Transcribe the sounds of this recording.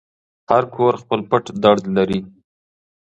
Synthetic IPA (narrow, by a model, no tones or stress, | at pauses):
haɾkʰoɾxpəlpəʈd̪aɽd̪laɾi